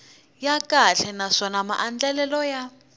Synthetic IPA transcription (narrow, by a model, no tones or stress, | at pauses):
jakʼaɬɛnaʂɔnama̰ʔand͡ɮɛlɛlɔja